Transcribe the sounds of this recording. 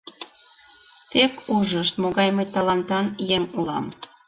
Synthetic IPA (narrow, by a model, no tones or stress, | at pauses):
t̪ekuʒəʃt̪moɣɑjmet̪ɑlɑnt̪ɑnjemulɑ̰m